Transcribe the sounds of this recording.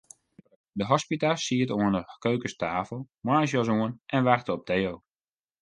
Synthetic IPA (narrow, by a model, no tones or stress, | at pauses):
dəɦɔspitasiətuənəkøːkəstaːfəlˠmansz̬jɔsuənʔɛnʋɛrktəɔp̚dejoː